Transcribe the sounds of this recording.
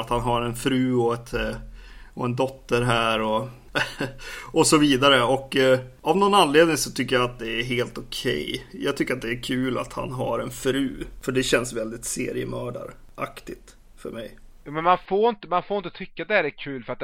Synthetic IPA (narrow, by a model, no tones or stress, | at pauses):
at̪hanɦaɾɛnfɾʉ̟ːɔɛt̪ | ɔɛnd̪ɔt̪ːəɾɦæːɾɔ | ɔsɔviːd̪aɾəɔkːavnɔnanleːd̪nɪŋsɔt̪ʰʏkːəjaat̪̚d̪ɛæɾɦeːlt̪ʊkʰɛ̰jjɑ̰ːɡ̚t̪ʰʏkːəɾat̪̚d̪ɛæɾkʰʉ̟ːla̰t̪ha̰nɦa̰ɾɛnfɾʉːfœɖɛɕɛnsvɛld̪ɪt̪sḛːɾɪə̰mœːɖa̰ɾʔa̰kt̪ɪɡt̪ | fœ̰ɾmɛ̰jjuːmɛnmanfoːɾɪnt̪əmanfoːɾɪnt̪ət̪ʰʏkːat̪d̪ɛhæːɾækʰʉ̟ːlfœɾat̪̚